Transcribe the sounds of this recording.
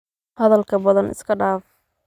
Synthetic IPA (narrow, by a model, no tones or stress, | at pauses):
hɐðɐlkʰɐbɐðɐnɪ̰skʰɐɖaːf